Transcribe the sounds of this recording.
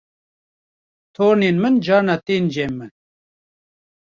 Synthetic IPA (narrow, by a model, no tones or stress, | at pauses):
t̪ʰoːɾneːnmɨnd͡ʒɑːɾnat̪eːnd͡ʒeːmːɨn